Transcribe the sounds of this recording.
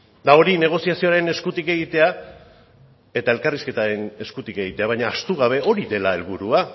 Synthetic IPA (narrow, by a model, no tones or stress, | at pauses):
d̪ao̞ɾine̞ɣ̞o̞siasio̞aɾe̞ne̞skut̪ike̞ɣit̪e̞a | e̞t̪ae̞lkariske̞t̪aɾe̞ne̞skut̪ike̞ɣ̞it̪e̞aβ̞aɲaːst̪uɣ̞aβ̞e̞ʔo̞ɾiðe̞lae̞lβuɾua